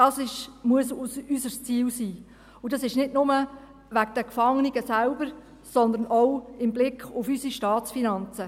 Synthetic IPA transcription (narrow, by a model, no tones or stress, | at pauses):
d̥ɑsɪʃmuəsusysəɾst͡siːwsiː | ʊdɑsɪʃnɪdnʊmə | ʋæɡd̥əkfɑŋniɡəsælbəɾ | sɔnd̪əɾnʔɔwɪmblɪkχʊfysiʃtɑːt͡sfinɑnt͡sə